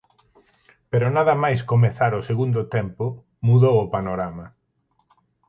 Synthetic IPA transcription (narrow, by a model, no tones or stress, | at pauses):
peɾʊnaðɐmajskomeθaɾʊseɣund̪ʊt̪ɛmpʊ | muðowʊpanoɾamɐ